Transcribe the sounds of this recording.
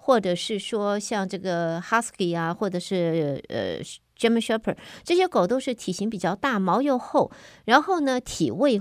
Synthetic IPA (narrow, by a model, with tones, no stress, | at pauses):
xwɔ˥˩ʈ͡ʂɤ˨˩ʂɻ̩˥˩ʂwɔ˥ɕjɑ˥˧ŋʈ͡ʂɤ˥˩ɡə˩xa˥ski˨˧˩a˧˩xwɔ˥˩ʈ͡ʂɤ˨˩ʂɻ̩˥˩ə̰˧ | ʈ͡ʂɛ˥mə˧˥ɕɥɛ˥pʰə˨˩˦ʈ͡ʂɤ˥˩ɕjɛ˥ko˨˩ʊt̪o˥ʊʂɻ̩˥˩t̪ʰi˨˩ɕi˧˥ŋpi˨˩t͡ɕjɑ˥˧ʊt̪a˥˩mɑ˧˥ʊjo˥˧ʊxo˥˩ʊɻa˧˥nxo˥˩ʊnə˩t̪ʰḭ˨˩we˥˧ɪ